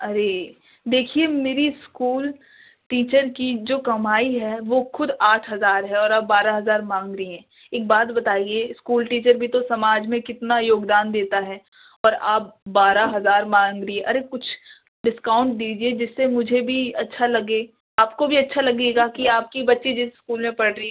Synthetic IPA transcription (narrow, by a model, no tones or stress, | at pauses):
ɐɾe | d̪eːkʰiemeːɾiskuːl | ʈiːt͡ʃəɾkid͡ʒoːkɐmaːiɦɛʋoxʊd̪aːʈʰɦɐzaːɾɦɛɔːɾaːp̚baːɾaɦɐzaːɾmãːŋɡɾəiɦɛ̃ː | eːk̚baːt̪bɐt̪aːieskuːlʈiːt͡ʃəɾbʱit̪osɐmaːd͡ʒmẽkɪt̪najoːɡd̪aːnd̪eːt̪aɦɛː | ɔːɾa̰ːp̚baːɾaɦɐzaːɾmãːŋɡɾiɛʔɐɾekʊt͡ʃʰ | ɖɪskãːʊ̃ɳʈ̚d̪iːd͡ʒied͡ʒɪsːemʊd͡ʒʱebʱiɐtːʃʰalɐɡeː | aːpkobʱiɐtːʃʰalɐɡeːɡakiaːp̚kibɐtːʃed͡ʒɪseskuːlmẽpɐɽɾi